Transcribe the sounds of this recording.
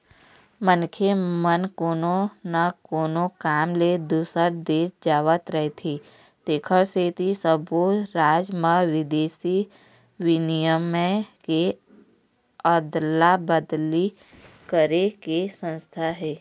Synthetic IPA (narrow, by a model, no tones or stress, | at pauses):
mənkʰemənkoːnonakoːnokaːmled̪usəɾd̪eːsd͡ʒaːʋət̪ɾəɦet̪ʰi | t̪eːkʰəɾseːt̪isəboɾaːd͡ʒməʋɪd̪eːsi | wɪnijəməke | əd̪labəd̪li | kəɾekesə̃nst̪ʰaɦɛː